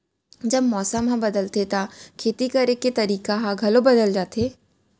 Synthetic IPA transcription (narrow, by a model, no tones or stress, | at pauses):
d͡ʒɐbmɔːsəmɦãbɐd̪əlt̪et̪akʰeːt̪ikɐɾeket̪ɐɾiːkaɦaɡʱɐlobɐd̪əld͡ʒaːt̪eː